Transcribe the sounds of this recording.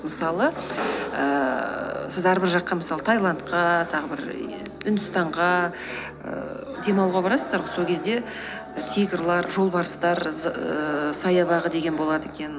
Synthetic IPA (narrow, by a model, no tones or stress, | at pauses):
məsɑlˠə | ə | sɪzæɾbɪɾʒɑqːɑməsɑlˠət̪ʰajlˠɑnt̪qɑt̪ʰɑʁəbɪɾ | ʏnd̪ʏst̪ɑɴʁɑ | ə̰ | d̪e̞mɑwʁɑbɑɾɑsəzd̪ɑɾʁoso̞lkʰʲe̞zd̪e̞ | t̪ʰʲijɡrlˠɑɾʒo̞lˠbɑɾəst̪ɑɾ | sɑjɑβɑʁəd̪e̞ɡʲe̞nbo̞lˠɑd̪əekʲe̞n